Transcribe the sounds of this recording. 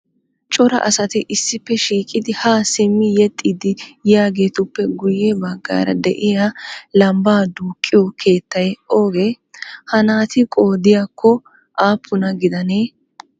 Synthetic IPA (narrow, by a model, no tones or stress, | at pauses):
t͡ʃʼɔɾɐ̰ʔɐsɐt̪ɪʔɪsːɪpːɛʃiːkʼɪd̪ɪhaːsɪmːɪjɛt̪ʼːid̪ɪjjaːɡe̞ːt̪ʊpːɛɡʊjebɐɡːa̰ːɾɐd̪ɛ̰ʔɪjaːlɐmbaːd̪uːkʼːɪjokʰe̞ːt̪ːɐjɛʔo̞ːɡeː | hɐnaːt̪ɪkʼo̞ːd̪ɪjakʰːɔ | ʔaːpːʊnɐɡɪd̪ɐneː